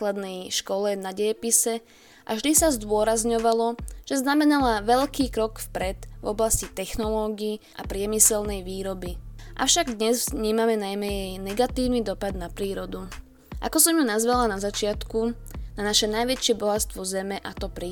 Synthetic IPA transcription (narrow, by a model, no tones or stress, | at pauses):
klad̪nɛjʃkɔlɛnaɟɛjɛpisɛ | ʔa̰vʒd̪isazd̪ʊɔɾazɲɔʋalɔʒ̥ɛznamɛnalaʋɛʎkiːkɾɔkfpɾɛd̪̥vɔ̰blascit̪ɛxnɔlɔːɡiːʔa̰pɾɪɛmisɛlnɛjʋiːɾɔbiʔa̰ʊʃaɡd̪ɲɛzzɲiːmamɛnajmɛjɛjnɛɡat̪iːʊnid̪ɔpad̪napɾiːɾɔd̪u | ʔa̰kɔsɔmjunazʋɛlanazat͡ʃɪat̪ku | nanaʃɛnajʋɛt͡ʃɪɛbɔɦat̪st̪ʋɔzɛmɛʔat̪ɔpɾi